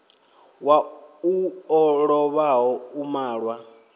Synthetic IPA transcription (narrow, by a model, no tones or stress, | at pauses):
wauɔɺɔβaɦɔumaːɺwa